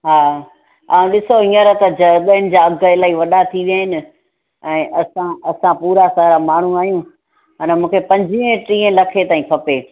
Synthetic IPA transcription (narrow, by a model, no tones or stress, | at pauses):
ɦaː | a̰ːũɗɪsoɦĩːəɾət̪ɐd͡ʑɐɠəɪnɪ̆d͡ʑaːɐɡʱəɪlaːiʋɐɗat̪ʰiʋjaɦɪnɪ̆ | ɛ̃ːʔɐsãɐsãpuːɾasaɾamaːɳ̤uaːjũ | ɦɐnəmũːkʰepɐ̃ɲd͡ʑiɦəʈɾiːə̃lɐkʰet̪aːĩpʰɐpeː